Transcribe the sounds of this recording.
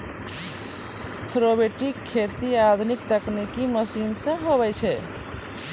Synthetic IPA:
pʰɾobeʈikʰːet̪iad̪ʱunik̚t̪əknikiməsinsẽɦoβɛt͡ʃʰɛ

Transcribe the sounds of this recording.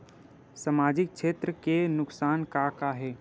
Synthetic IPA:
səmaːd͡ʒɪk̚ʃeːt̪ɾəkenʊksaːnkaːkaɦɛː

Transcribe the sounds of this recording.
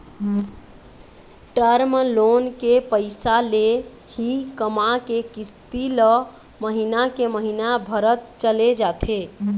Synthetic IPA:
ʈəɾmlonkepəɪsale | hikəmakekist̪ilə | məɦinakeməɦinabʱəɾət̪̚t͡ʃəled͡ʒat̪ʰe

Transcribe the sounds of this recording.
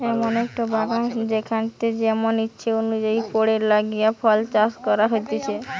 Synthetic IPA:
ɛmonɛk̚ʈobaɡad͡ʒekʰant̪ed͡ʒɛmonitːʃʰeonud͡ʒaipoɽeɾlaɡijapʰɔlt͡ʃaskɔɾaɦojt̪it͡ʃʰe

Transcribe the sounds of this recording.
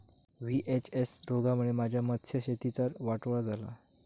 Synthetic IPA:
ʋiʔet͡ɕesɾoɡamuɭemad͡ʑʱjamət̪ʰːɕjəɕet̪it͡saɾʋaʈʋɭad͡zʱala̰

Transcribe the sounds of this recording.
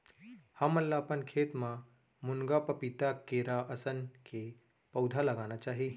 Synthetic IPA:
hãməlːapənkʰet̪mã | muŋɡapəpit̪akːeɾaʔəsənkʰe | pəwd̪ʱaləɡañat͡ʃaːɦi

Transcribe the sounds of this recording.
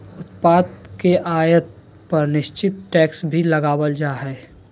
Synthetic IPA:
ʊt̪paːd̪̚keʔaːjət̪̚ | pɐɾnɪʃt͡ʃɪt̪ʈɛːksbʱilɐɡaːwəld͡ʒaːɦɛː

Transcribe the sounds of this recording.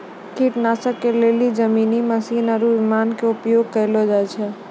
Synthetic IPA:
kiʈnasəkelelid͡ʒəminiməsinaɾuʋimankeupjoɡ̚kəɪlɔd͡ʒajt͡ʃʰɛ

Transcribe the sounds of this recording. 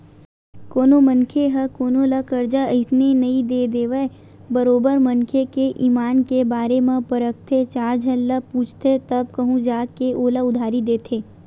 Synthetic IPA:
koːnomə̃nkʰeɦɐkoːnolɐkɐɾd͡ʒaɪsnenɐĩd̪eːd̪eːʋe | bəɾoːbəɾmɐnkʰekeʔiːmaːnkebaːɾemãpɐɾək̚t̪ʰet͡ʃaːɾd͡ʒʱɐnləpuːt͡ʃʰt̪ʰet̪ɐb̚kɐɦũd͡ʒaːkeʔoːlaʊd̪ʱaːɾid̪eːt̪ʰeː

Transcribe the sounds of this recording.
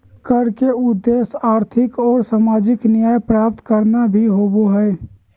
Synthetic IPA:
kəɽkeʊd̪ːeːsaːɾt̪ʰɪkɔːɾsaːmaːd͡ʒɪknijaːjpɾaːp̚t̪kəɾnabʱiɦoːboɦɛ

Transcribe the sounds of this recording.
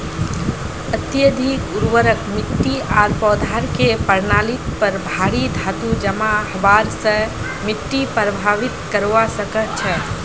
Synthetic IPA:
ət̪jəd̪ʱikuɾʋəɾəkmiʈːiaɾpɔd̪ʱaɾkepəɾnalit̪pəɾbʱaɽid̪ʱat̪ud͡ʒəmahəbaɾsə̃ | miʈːipɾəbʱaʋit̪kəɾʋasəkət̪̚t͡ʃʰɛ

